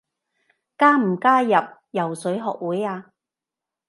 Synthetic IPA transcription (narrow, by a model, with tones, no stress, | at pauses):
kaː˥m̩˨˩kaː˥jɐ˨p̚jɐ˨˩wsɵ˨˥ɥɦɔ̰ː˨k̚wuː˨˥jaː˧